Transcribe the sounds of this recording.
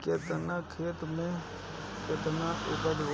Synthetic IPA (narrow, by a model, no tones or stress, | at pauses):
ket̪nakʰeːt̪mẽ | kɪt̪naʔʊbəd͡ʒʋ